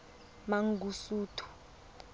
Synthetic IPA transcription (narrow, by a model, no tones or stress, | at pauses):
maŋɡusuːtʰu̥